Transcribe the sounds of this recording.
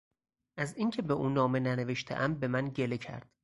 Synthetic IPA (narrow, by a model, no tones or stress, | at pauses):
ʔæziːŋcʰe̞beʔuːnɒːme̞næneveʃt̪ʰeʔæmbe̞mænɟelecʰæ̰ɾd̪̥